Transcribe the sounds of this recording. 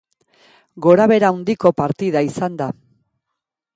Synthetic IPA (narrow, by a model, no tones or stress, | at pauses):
ɡo̞ɾaβe̞ɾaund̪iko̞paɾt̪iðaisand̪a